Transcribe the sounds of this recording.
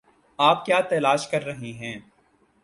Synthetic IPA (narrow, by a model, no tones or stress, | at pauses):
aːp̚kjaːt̪ɛːlaːʃkɐɾːɐɦeɦɛ̃ː